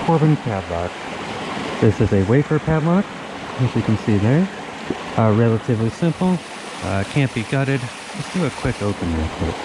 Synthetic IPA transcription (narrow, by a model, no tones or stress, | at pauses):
kʰɔɹbɨ̃nkʰædˡlɑ̰k̚ | ðɪsɨzɨweɪfə˞pʰædˡlɑk | ɨʃjɨkʰn̩siðə˞ | ɹɛlˠəɾɨvlisɪ̃mpl̩ˠ | ʌkʰæ̃nb̥iɡʌɾɨd̚ | ɨsd̥ɨɨkʰw̥ɪkoʊpɨ̃nmæ̰̃kʰɪ̰t̚